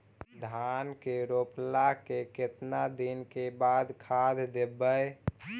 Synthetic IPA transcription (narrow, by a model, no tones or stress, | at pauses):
d̪ʱankeɾoplakeket̪nad̪inkebad̪kʰad̪d̪ebəj